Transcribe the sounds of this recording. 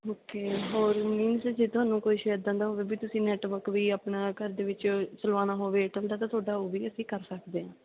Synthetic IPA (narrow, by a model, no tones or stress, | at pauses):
oːkeːɦoːɾmiːnsd͡ʒeːt̪ʊɦaːnːũːkoːiːʃəjəd̪̚d̪ə̃nd̪aːɦoːʋeːbiːt̪ʊsĩːnɛːʈʋəɾkʋiːaːpnaːkəɾd̪eːʋɪt͡ʃt͡ʃəlʋaːnaːɦoːʋeːʈəld̪aːt̪ãːt̪ʰʊaːɖaːoːʋiːəsĩːkəɾsəkd̪eːãː